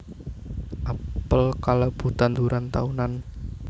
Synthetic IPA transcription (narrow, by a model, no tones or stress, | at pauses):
ʔapəlkaləb̥ṳt̪and̪uɾʔant̪aunan